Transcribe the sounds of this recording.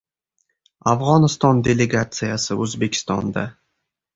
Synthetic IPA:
afʁɒnɪst̪ɒnd̪e̞le̞ɡat̪sɨjasɪʔɵzbe̞kʲʰɪ̥st̪ɒnd̪a

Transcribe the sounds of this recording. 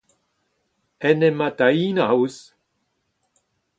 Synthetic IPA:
ɛnemad̪ainaws

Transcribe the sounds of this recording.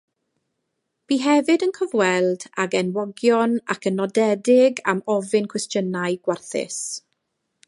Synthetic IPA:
b̥iːɦɛvɨdənkʰɔvwɛlˠdaɡɛnwɔɡjɔna̰kʰənɔdɛdɪɡa̰mɔvɪnkʰwɛstʰjənaɨɡ̥warθɪ̰s

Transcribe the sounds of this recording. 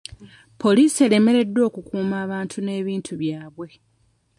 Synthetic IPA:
pʰo̞liːsie̞le̞me̞ɾe̞dːwo̞ːkukuːmaːβaːntʰune̞ːβiːntʰuβjaːβwe̞

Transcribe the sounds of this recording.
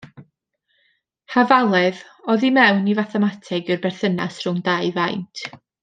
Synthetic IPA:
havalˠɛð | ɔðimɛwnivaθɛmatʰɛɡɨrbɛrθənasrʊŋdajvajntʰ

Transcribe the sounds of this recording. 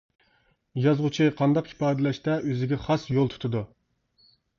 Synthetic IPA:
jɑzʁʊt͡ʃʰiqʰɑnd̪ɑqi̥pɑːd̪ɪlɛʃt̪ɛʔøzɪɡʲɛχɑsjolˠt̪ʰu̥t̪ʰud̪u

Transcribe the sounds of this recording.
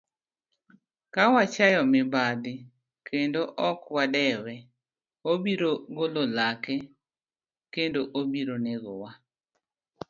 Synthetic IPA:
kawat͡ʃajɔmɪbad̪ɪ | kendoʔɔkwadɛwɛ | obiɾoɡololakɛ | kendoʔobiɾoneɡowa

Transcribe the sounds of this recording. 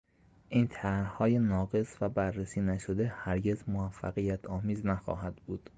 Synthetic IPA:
ʔiːnt̪ʰæɾhɒːjenɒːɡe̞svæbærːesiːnæʃo̞d̪ehæɾɟe̞zmovæfːæ̰ɣijæt̪ʰɒːmiːznæxɒ̰ːɦæd̪̥buːd̪̥

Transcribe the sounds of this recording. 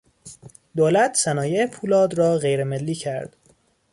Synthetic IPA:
d̪oːlæt̪ʰsænɒːjeepʰuːlɒːd̪rɒːɣejɾemelːiːcʰæɾd̪̥

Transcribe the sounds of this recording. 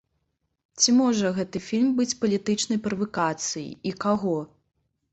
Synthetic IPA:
t͡sʲimɔʐɐɣɛt̪ɨfʲilʲmbɨt͡sʲpɐlʲit̪ɨt͡ʂnɐjpɾɐvɐkat̪sɨjḭikaɣɔ

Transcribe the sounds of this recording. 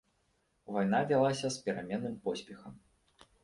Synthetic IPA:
vajn̪avʲalˠasʲɐspʲɛɾamʲɛnːɨmpɔsʲpʲɛxɐm

